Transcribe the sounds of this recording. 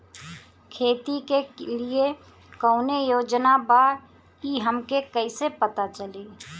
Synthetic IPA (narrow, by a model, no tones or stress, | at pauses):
kʰeːt̪ikelie | kəʊnejoːd͡ʒnaba | kiɦəmkekəɪsepət̪at͡ʃəli